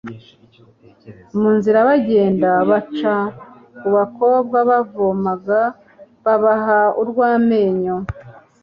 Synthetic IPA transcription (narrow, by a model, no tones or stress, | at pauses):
muːnziɾaβaɟe̞ːndaβat͡ʃa | kuβako̞ːbɡaβavomaɡa | βaβaɦauɾɡwaːme̞ːɲo